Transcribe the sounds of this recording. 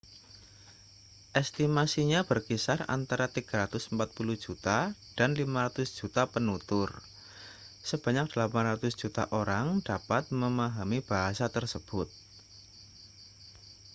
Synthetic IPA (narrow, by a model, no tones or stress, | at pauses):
ʔɛst̪imasiɲab̥ərkisara̰nt̪aɾat̪iɡ̥aɾat̪ʊsəmpat̪̚puluhd͡ʒut̪ad̥anlimaɾat̪ʊsd̥d͡ʒ̥ut̪apənut̪ʊr | səb̥a̤ɲak̚d̥əlapanrat̪ʊsd̥d͡ʒ̥ut̪a̰ʔoɾaŋd̥apat̪̚məmaɦamib̥aɦasat̪ərsəb̥ʊt̪̚